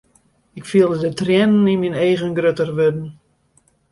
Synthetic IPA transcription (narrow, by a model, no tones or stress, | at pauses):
ɪkfiəlˠdədətrjɛnən̩inminejɣənɡrøtərʋødn̩